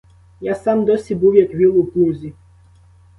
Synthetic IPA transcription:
jasamd̪ɔsʲibuwjɛkʋʲilˠuplʲˠuzʲi

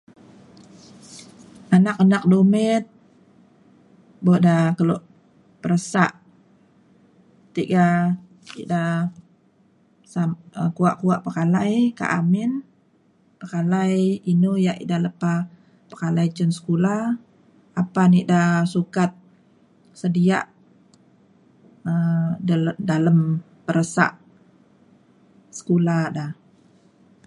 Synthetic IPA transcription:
anakanak̚dumɛt̪̚ | bodakəlɔʔ | pəɾəsaʔ | t̪iʔɡa | ḭda | sakuaʔkuaʔpəkalajka̰ʔa̰mɪn | pəkalajinujaʔḭdaləpa | pə̥kalajt͡ʃənsə̥kula | apaniʔdasukat̪̚ | sədia̰ʔ | ə | daləm | pəɾəsa̰ʔ | sə̥kulada

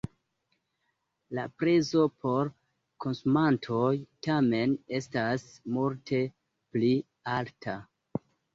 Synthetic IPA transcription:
lapɾezo̞pʰo̞ɾ | ko̞nsumantʰo̞jtame̞ne̞stasmultʰe̞ | pli | altʰa

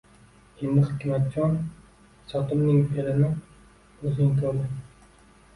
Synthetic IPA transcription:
imɨχkʲʰɪmat̪̚t͡ʃʰːɒn | sɒt̪ʰɪmnɪŋpʰelɪnɪ | ɵznɪŋt̪ʰoɾd̪ɪ

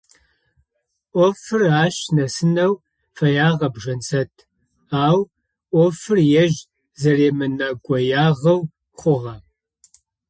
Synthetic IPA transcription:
ʔʷɔfɨraːʃnɐsɨnɐw | fɐjaːʁɐbʒɐnt͡sʰɐtʰ | aːw | ʔʷɔfɨrjɛʒ | zɐreːmɨnɐɡʷʼɔjaːʁɐw | χʷʊʁɐ

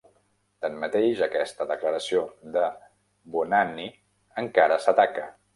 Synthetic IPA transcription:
t̪əmmət̪eʒəkɛst̪əðəkləɾəsiod̪ə | bunani | əŋkaɾəsət̪akə

